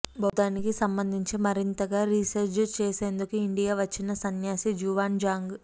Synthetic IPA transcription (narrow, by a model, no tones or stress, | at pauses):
bʱɐːd̪aːnikisɐmbɐnd̪ʱiɲt͡ʃimɐɾint̪ɐɡaːɾiːsɐɾd͡ʒt͡ʃeːseːnd̪ukuiɳɖijaːʋɐt͡ʃːinɐsɐnjaːsid͡ʒuːʋaːnd͡ʒaːŋɡ